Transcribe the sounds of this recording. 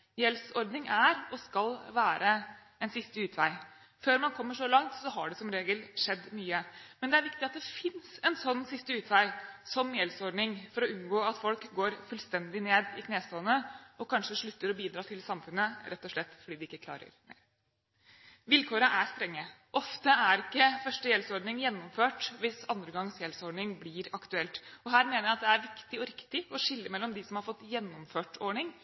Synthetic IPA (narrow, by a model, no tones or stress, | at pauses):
jɛlsɔɾd̪nɪŋæɾɔskɑlʋæːɾʔə | ɛnsɪst̪əʉːt̪ʰʋæɪ | føːɾmɑnkʰɔmːəʂɔlɑŋt̪sɔɦɑɖɛsɔmɾeːɡəlʂɛd̪ːmyːəmɛnd̪ɛæɾʋɪkt̪ɪɑt̪̚d̪ɛfɪnsɛnsɔnːsɪst̪əʉːt̪ʰʋæɪsɔmːjɛlsɔɾɖ̪nɪŋfɔɾɔʉnɡoːɑt̪fɔlkɡoːɾfʉlst̪ɛnd̪ɪneːd̪ɪkʰneːst̪oːnəɔkʰɑnʂəʂɭʉt̪ːəɾɔbiːd̪ɾɑːt̪ʰɪlsɑmfʉnːəɾʔɛt̪ːɔʂɭɛt̪ːfɔɖiːd̪ɪɪkːəkʰlɑ̰ːɾə̰ɾmḛɾ | ʋɪlkʰoːɾəʔæst̪ɾɛŋːəʔɔft̪əæɾɪkːəfœʂʈəjɛlsɔɾɖɳɪŋjɛnːɔmføːʈʋɪsɑnd̪ɾəɡɑŋsjɛlsɔɖɳɪŋblɪɾɑkt̪ʉɛlt̪ɔɦæːɾmeːnəɾjæɪɑt̪̚d̪ɛæɾʋɪkt̪ɪɔɾɪkt̪ɪɔʂɪlːəmɛlːɔmd̪ɪsɔmhɑɾfɔt̪ːjɛnːɔmføːʈɔɳɪŋ